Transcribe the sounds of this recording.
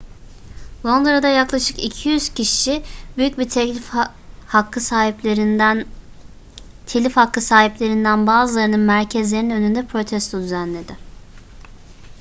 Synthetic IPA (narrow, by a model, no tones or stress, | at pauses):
vˠo̞nd̪ɾad̪ajaklˠaʃɯ̥kicʰijyz̥cʰiʃɪbyjyc̚bi | hakːɯsa | t̪ʰelʲifhakʰːɯsaːɦiplʲe̞ɾind̪ænbaːzɯlˠaɾɯnɯnmæɾcʰɛzlʲe̞ɾninø̞nynd̪ɛpʰɾo̞t̪ʰɛst̪ʰod̪yzænlʲe̞d̪ɪ